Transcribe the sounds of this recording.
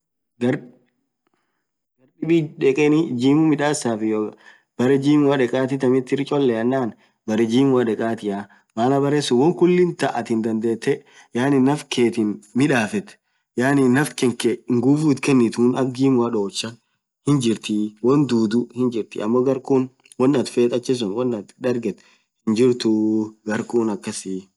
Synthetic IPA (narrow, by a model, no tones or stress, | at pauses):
ɡɐɾ | ɡɐɾᶑɪbiᶑɛkʼɛnɪd͡ʒiːmʊmɪᶑaːsaːfɪjo | b̥ɐɾɛd͡ʒiːmʊɐᶑɛkʼaːt̪ɪt̪ɐmɪt̪ːɪɾɪt͡ʃʼɔlːɛɐnːaːn | bɐɾɛd͡ʒiːmʊɐᶑɛkʼaːt̪ɪja | maːlɐbɐɾesʊwɔŋkʊlːɪnt̪ɐʔɐt̪ɪnd̪ɐnd̪eːt̪ːɛ | jaːnɪnːɐfkʰeːt̪ɪnmɪᶑaːfɛt̪ | jaːnɪnːɐfkɛŋkeŋɡufuːt̪kɛnːɪt̪uːnɐɡɡiːmʊɐᶑo̞ːt͡ʃːɐ | hɪnd͡ʒɪɾt̪ɪwɔnd̪uːd̪ʊhɪnd͡ʒɪɾt̪ɪʔɐmːɔɡɐɾkuːn | wɔnːɐt̪feːt̪ʼɐt͡ʃːɛs̬ʊnwɔnːɐt̪d̪ɐɾɡɛt̪ | hɪnd͡ʒɪɾt̪ʊɡɐɾkʼuːnɐkːɐsɪ